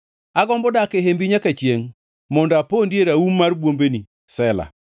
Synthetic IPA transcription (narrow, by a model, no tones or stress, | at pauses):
aɡɔmbɔdakeɦembiɲakat͡ʃjeŋ | mɔndapondjeɾaummːaɾbwombeni | sɛla̰